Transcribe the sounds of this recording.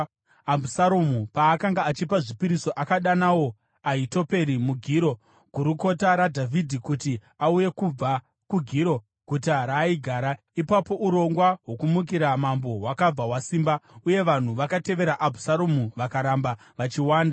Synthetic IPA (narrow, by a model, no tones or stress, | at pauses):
abʱusaɾomupaːkaŋɡaːt͡ʃipaʐipiɾiso̞ʔakaɗanawo̞ | aito̞pe̞ɾimuɡʱiːɾo̞ | ɡʱuɾuko̞taɾadʱavʱidʱikuti | auje̞kub͡va | kuɡʱiɾo̞ | kut̬iaɾaiɡʱaːɾa | ipapo̞ʔuɾo̞ŋɡwaɦwo̞kumuk̬iɾamambo̞ɦwakab͡vawasiːmbauje̞ʋan̤uʋakate̞ʋe̞ɾaʔabʱusaɾomuʋakaɾamba | ʋat͡ʃiwaːnda